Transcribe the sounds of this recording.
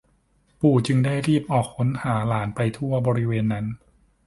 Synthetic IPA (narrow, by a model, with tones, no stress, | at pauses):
puː˨˩t͡ɕɯ˧ŋda˥˩jɾiː˥˩p̚ʔɔː˨˩k̚ʰːo˩˦nhaː˩˦laː˩˦npa˧jt̪ʰu˥˩ɐbɔː˧ɾi˦˥weː˧nːa˦˥n